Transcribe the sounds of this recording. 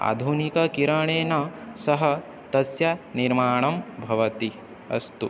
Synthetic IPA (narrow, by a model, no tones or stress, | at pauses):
a̰ːd̪ʱunikɐkiɾɐɳeːnɐsɐɦɐ̆ | t̪ɐsjɐniɾmaːɳɐmbʱɐʋɐt̪i | ɐ̰st̪u